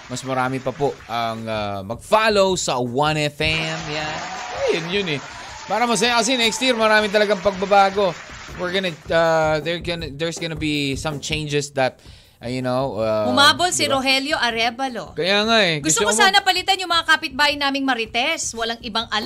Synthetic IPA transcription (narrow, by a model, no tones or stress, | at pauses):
mɐsmɐɾaːmɛpɐpoʔʔɐŋamɐɡ̚faːlowsɐwɐnɛfɛmjanajɐnjʊnɛ | paːɾɐmɐs̬ɐjakɐs̬ɛnɛkst̪jɪɹmɐɾaːmɪt̪ɐlɐɡaŋpɐɡ̚bɐbaːɡo̞wɪɹɡɐnɐaðɛɹɡond̪ɛɹsɡonɐbisɐ̃mt͡ʃẽjnd͡ʒɛsd̪ɐt̪̚ | ʔjʊnowamʊmaːbolsiɾoɦɛljo̞ʔɐɾɛbɐlo̰kɐjaːŋaʔɛɡʊsst̪okoaːnɐpɐlɪt̪anjʊŋmɐŋakapɪt̪̚baːjɪnaːmɪŋmɐɾɪt̪ɛswɐlaŋʔɪbɐŋʔɐl